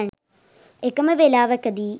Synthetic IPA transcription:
ɳ | ekːɐmɐʋelaːʋɐkːɐd̪i

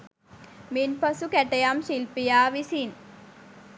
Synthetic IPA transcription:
minpɐsukɛʈejamʃilpijaːʋisin

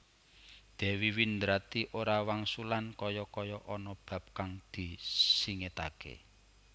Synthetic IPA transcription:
d̪̥ɛ̤wiwind̪ɾat̪iʔoɾawaŋsulankɔjɔkɔjɔʔɔnɔb̥a̤p̚kaŋd̪̥isiŋet̪a̰kḛ

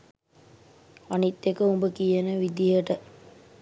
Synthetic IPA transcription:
anit̪ːekəumbəkijənəʋid̪ijəʈə

